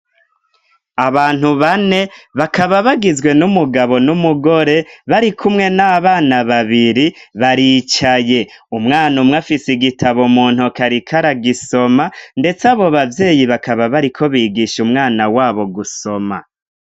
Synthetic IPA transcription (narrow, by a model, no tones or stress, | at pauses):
aβaːn̥uβane̞βakaβaβaɡizwe̞numuɡaβo̞numuɡo̞ɾe̞βaɾikʰumŋe̞naβaːnaβaβiɾiβaɾit͡ʃaje̞ | umŋaːnumŋafisiɡitʰaβomuːn̥ukaɾikʰaɾaɡiso̞mande̞t͡saβo̞βavje̞ːjiβakaβaβaɾikʰo̞βiːɡiːʃumŋaːnawaːβo̞ɡuso̞ma̰